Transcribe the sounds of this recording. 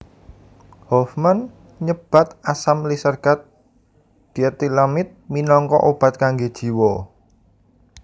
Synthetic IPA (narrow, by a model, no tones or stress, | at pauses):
hɔfman | ɲəb̥a̤t̪asamlisərɡ̥at̪̚ | d̪̥i̤ət̪ilamɪt̪̚minɔŋkɔ̰ʔob̥a̤t̪̚kaŋɡed̥ʒ̥i̤wɔ